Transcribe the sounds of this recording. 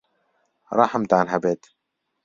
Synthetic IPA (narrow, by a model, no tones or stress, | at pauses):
ɾˤɑːħamt̪aʕanɦabeːt̪